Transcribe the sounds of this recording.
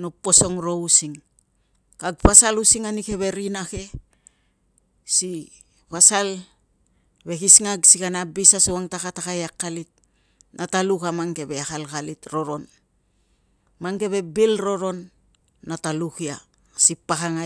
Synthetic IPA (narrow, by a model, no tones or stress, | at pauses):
nopːo̞so̞ŋɾo̞usiŋ | kaɡpasalusiŋanike̞βe̞ɾinake̞ | si | pasal | βe̞kisŋaɡsikanabisasowaŋtakatakajakːalit̚ | nʔatalukamaŋke̞βe̞akalkalitɾo̞ɾo̞n | maŋke̞βe̞bilɾo̞ɾo̞nː | atalukia | sipakaŋa